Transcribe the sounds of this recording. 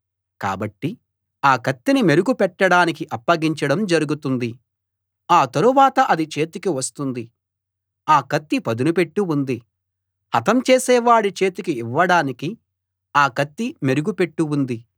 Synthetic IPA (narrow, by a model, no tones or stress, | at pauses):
ka̰ːbɐʈːi | aːkɐt̪ːinime̞ɾuɡupɛʈːɐɽaːnikiʔɐpːɐɡiɲt͡ʃɐɽɐmd͡ʒɐɾuɡut̪und̪i | aːt̪ɐɾuʋaːt̪ɐʔɐd̪it͡ʃe̞ːt̪ikiʋɐst̪und̪i | aːkɐt̪ːipɐd̪unupe̞ʈːuund̪i | ɐt̪ɐmt͡ʃeːsɛːʋaːɽit͡ʃe̞ːt̪ikiːʋːɐɽaːniki | aːkɐt̪ːime̞ɾuɡupe̞ʈːuund̪i